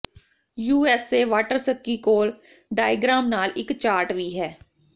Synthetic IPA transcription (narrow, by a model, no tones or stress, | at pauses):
juːɛːseːʋaːʈəɾsəkːiːkoːl | ɖaːjɡɾaːmnaːlɪkt͡ʃaːɾʈʋiːɦɛː